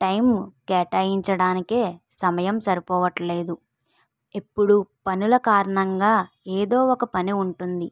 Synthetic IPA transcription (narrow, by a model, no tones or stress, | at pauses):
ʈɐjmkɛːʈaːjiɲt͡ʃɐɽaːnike̞ː | sɐmɐjɐmsɐɾipɔːʋɐʈle̞ːd̪u | epːuɽupɐnulɐkaːɾɐɳɐŋɡaː | eːd̪o̞ːɔkɐpɐniuɳʈund̪i